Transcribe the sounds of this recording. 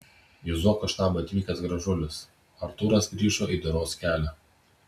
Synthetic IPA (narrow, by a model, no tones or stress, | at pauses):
jʊzoːkɐʃt̪ɑːbɐt̪ʲʋʲiːkɐsɡɾɐʒʊlʲʊs | ɐɾt̪uːɾɐsɡɾʲiːʒoːʔiˑd̪ʊɾoːskʲæːlʲɛ